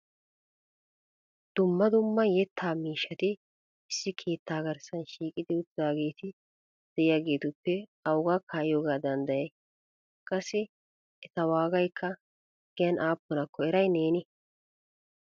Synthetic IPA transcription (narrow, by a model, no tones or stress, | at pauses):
d̪̥ʊmːɐd̪ʊmːɐjɛt̪ʰːaːmiːʃːɐt̪ɪ | ɪsːɪkʰe̞ːt̪ːaːɡɐɾsɐnʃiːkʼɪd̪ɪʊt̪ːɪaːɡe̞ːt̪ɪ | d̪̥ɛɪjaːɡe̞ːt̪ʊpːɛɐwɡaːkʰaːjjo̞ːɡaːd̪ɐnd̪ɐjɐj | kʼɐsːɪ | ɛt̪ɐwaːɡɐjkʰːɐ | ɡ̥ɛjɐnʔaːpːʊnɐkːɔɛɾɐjneːnɪ